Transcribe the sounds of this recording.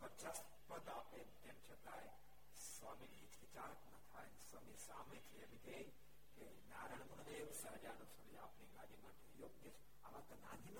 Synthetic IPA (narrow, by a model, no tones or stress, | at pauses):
pət͡ʃas | pəd̪ape | t̪emʃət̪aj | sʋaminit͡ʃʋit͡ʃaɾəknɐt̪ʰajnsʋamisamet̪ʰiemit̪e | ke | naɾəɳ̃mənd̪eʋsəɦd͡ʒanosʰɐɾia̰ːpniɾad͡ʒimaʈ̪ejoɡjət͡ʃʰ | aʋãt̪onã̰d̪ʱin